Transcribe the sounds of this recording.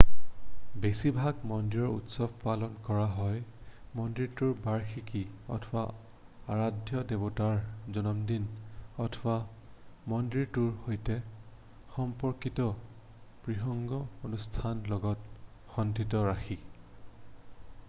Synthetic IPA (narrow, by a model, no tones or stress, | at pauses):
besibʱaɡmɔndiɹɔɹṵtsɔbʱpalɔnkɔɹaɦɔj | mɔndɹiɹtuɹbaɹxikiɔ̰tʰɔba̰ | aɹadʱjɔdebɔtaɹzɔnɔmdinɔtʰɔbamɔndɹiɹtuɹhojtɛ | xɔmpɔɹkitɔ | pɹixɔŋɡɔonustʰanlɔɡɔt̚ | xɔndʱitɔɹaxi